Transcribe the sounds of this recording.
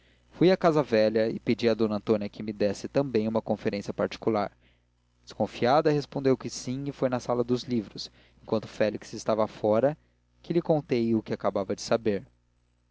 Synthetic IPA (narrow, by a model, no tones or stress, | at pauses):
fujakazɐvɛʎɐɪped͡ʒiɐd̪õnɐ̃nt̪õniɐkɪmɪd̪ɛsɪt̪ɐ̃mbẽj̃ũmɐkõfeɾẽsjɐpaɾt͡ʃi̥kulaɾ | d͡ʒɪ̥skõfiad̪ɐhespõd̪ewkɪsĩɪfojnɐsalɐd̪ʊzlivɾʊs | ẽŋkwɐ̃nt̪ʊ̥fɛliksɪst̪avɐfɔɾɐ | kɪlɪkõt̪ejʊkɪakabavɐd͡ʒɪsabeɾ